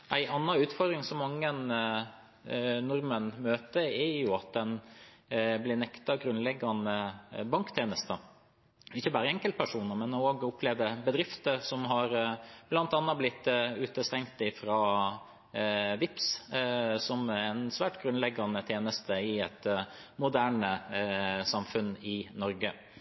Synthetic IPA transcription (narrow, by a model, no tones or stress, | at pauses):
ʔæɪʔɑnːɑʉːt̪fɔɾd̪ɾɪŋsɔmːɑŋːən | nʊɾmənmøːt̪əɛjʊɑt̪̚d̪ɛn | blɪnɛkt̪ɑɡɾʉnlɛɡːɑnəbɑŋkt̪ʰeːnəst̪ə | ɪçːəbɑːɾəɛŋkəlt̪pʰæʂuːnəɾmɛnɔoːɡʊpʰːleːʋəbəd̪ɾɪft̪əɾsɔmɦɑɾblɑnt̪ɑnːɑblɪt̪ːʉːt̪əst̪ɛŋkt̪ɪfɾɑː | ʋɪps | sɔmæɛnsʋæːʈɡɾʉnlɛɡːɑnət̪ʰeːnəst̪əɪɛt̪mʊd̪æːɳə | sɑmfʉnɪnɔɾɡə